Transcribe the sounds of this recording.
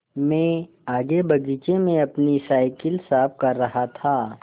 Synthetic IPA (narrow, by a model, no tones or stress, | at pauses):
mɛ̃ː | aːɡebɐɡiːt͡ʃemẽɐpnisaːɪkɪlsaːb̚kɐɾːɐɦat̪ʰaː